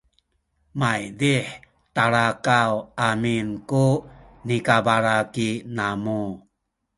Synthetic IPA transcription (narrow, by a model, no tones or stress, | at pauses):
majdiħ | t̪aɾakawaminkunikabaɾakinamu